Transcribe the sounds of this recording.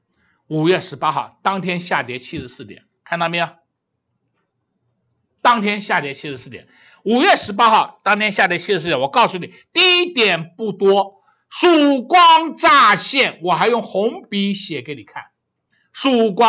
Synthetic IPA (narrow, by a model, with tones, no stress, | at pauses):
u˨˩ɥɛ˥˩ʂɻ̩˧˥pa˥xɑ˥˩ʊt̪ɑ˥ŋt̪ʰjɛ˥nɕja˥˩t̪jɛ˧˥t͡ɕʰi˥ʂɻ̩˧˥sɹ̩˥˩t̪jɛ̰˨˩˦nkʰa˥˧nt̪ɑ˥˧me˧˥ɪa˨˩ | t̪ɑ˥ŋt̪ʰjɛ˥nɕja˥˩t̪jɛ˧˥t͡ɕʰi˥ʂɻ̩˧˥sɹ̩˥˩t̪jɛ̰˨˩˦n | u˨˩ɥɛ˥˩ʂɻ̩˧˥p̬a˥xɑ˥˩ʊt̪ɑ˥ŋt̪ʰjɛ˥nɕja˥˩t̪jɛ˧˥t͡ɕʰi˥ɻ̬̩˧˥˧jɛ˧˥wɔ˨˩kɑ˥˧ʊsu˥˩ni˨˩˦t̪i˥˧˥t̪jɛ˨˩npu˥˩t̪wɔ˥ | ʂu˥˩kwɑ˥ŋʈ͡ʂa˥˧ɕjɛ˥˩nwɔ˨˩xa˧˥ɪjʊ˥˩ŋxʊ˧˥ŋpi˧˥ɕjɛ˨˩ke˧˥ɪni˨˩kʰa̰˥˩n | ʂu˥˩kwɑ˥